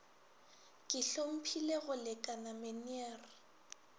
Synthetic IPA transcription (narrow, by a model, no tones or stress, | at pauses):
kʼɪɬom̩pʰileɣʊlɪkʼanameniɛːrɪ